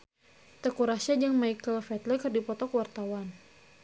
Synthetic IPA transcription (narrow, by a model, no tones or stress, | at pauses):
t̪əkuɾasad͡ʒəŋmajkəlfɛt̪lɛkɨrdipɔt̪ɔkəwart̪awan